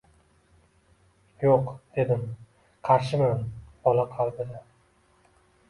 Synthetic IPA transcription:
joqd̪̥e̞d̪ɪm | qʰɑɾʃɪmanb̥ɒlaqʰɑlˠd̪ɪd̪a

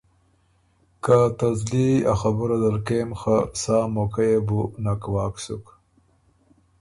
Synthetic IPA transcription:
kat̪azlia̰xabuɾad̪aɾkemxasaːmokajebunakwɑːksuk

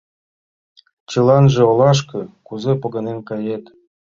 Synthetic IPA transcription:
t͡ɕɤ̆lɑnʒĕolˠɑʃkɤ̆kuzepoɣɤ̆nenkɑjet̪

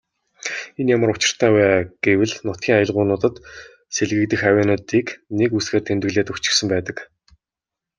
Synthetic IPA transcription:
enjamə̆ɾʊt͡ɕɪ̆r̥t̪ʰæːwæːɡ̥ewɘ̆ɮnʊt̪ɡʲiːŋajə̆ɮʁʊːnʊːt̪ə̆t̪ | seɮɣɘ̆k̚t̪ɘ̆xæwʲæːnə̆t̪iːknekusɡeːrt̪ʰemt̪ɘ̆ɣɮeːt̪ɵkt͡ɕɪ̥̆xsə̆mpæːt̪ə̆k

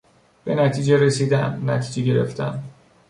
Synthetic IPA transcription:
b̥e̞næt̪ʰiːd͡ʒeɾesiːd̪æmnæt̪ʰiːd͡ʒeɟe̞ɾe̞̰ft̪ʰæ̰m

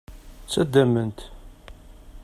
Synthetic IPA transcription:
t͡sːæd̪ːæmənt̪

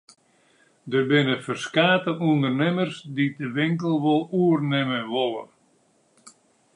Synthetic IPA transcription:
dəbɪnəfərskaːtəʔundərnɪmərsdidəʋɪŋkəl̩ˠʋolˠuərnɪməʋɔlˠə̰

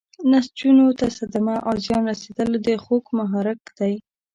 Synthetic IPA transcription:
nast͡ʃunot̪asad̪amaʔɑzjɑnɾased̪əld̪əxokmaɦɑɾɪkd̪̥aj

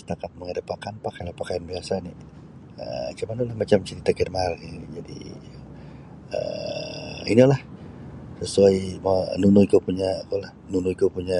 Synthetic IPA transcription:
sə̥t̪akat̪̚məŋəɾəpakanpakajlahpakajanbiasani | ə̰t͡ʃumanalahmat͡ʃamt͡ʃəɾit̪aɡərmaalid͡ʒadḭ | ə̰ | ḭnilah | səsuajmanunuikupuɲakulahnunuikupuɲa

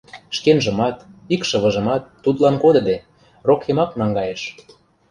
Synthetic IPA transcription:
ʃkenʒə̆mɑt̪ikʃɤ̆βɤ̆ʒɤ̆mɑt̪ːut̪lɑnkod̪ɤ̆d̪e | rokːemɑknɑŋɡɑjeʃ

